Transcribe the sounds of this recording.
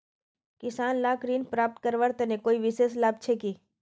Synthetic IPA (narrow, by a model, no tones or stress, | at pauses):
kɪsaːnlaːkɾiːnpɾaːp̚ʈ̪̚kəɾʋəɾt̪ɛnekoːiʋɪseːslaːb̚t͡ʃʰekiː